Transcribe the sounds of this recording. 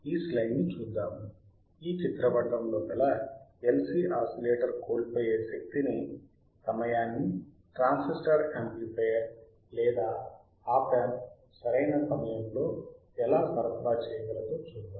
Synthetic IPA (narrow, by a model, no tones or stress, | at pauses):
iːslɐjnːit͡ʃuːd̪ːaːmu | iːt͡ʃit̪ɾɐʋɐɖːɐmlo̞ːpɛlɐelsiːʔaːsileːʈɐɾko̞ːlipoːjeːʃɐk̚t̪ini | sɐmɐjaːnːi | ʈɾaːnsisʈɐɾemplipejɐɾ | lɛːd̪aː | aːpeːm | sɐɾɐjnɐsɐmɐjɐmlo̞ː | ɛlaːsɐɾɐpbaːt͡ʃɛːjɐɡɐɾɐd̪ut͡ʃuːd̪ːaː